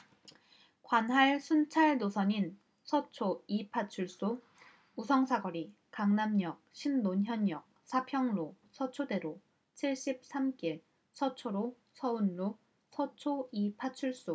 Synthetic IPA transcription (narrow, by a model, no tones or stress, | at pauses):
kwanɦaɭsʰunt͡ɕʰaɭnosʰʌɲin | sʰʌt͡ɕʰoipʰat͡ɕʰuɭs͈o | usʰʌŋsʰaɡʌɾi | kaŋnamɲʌk̚ɕʰinːonçjʌɲːjʌk̚sʰapʰjʌŋɾo | sʰʌt͡ɕʰode̞ɾo | t͡ɕʰiɭɕ͈ip̚s͈amk͈iɭ | sʰʌt͡ɕʰoɾo | sʰʌunlo | sʰʌt͡ɕʰoipʰat͡ɕʰuɭs͈o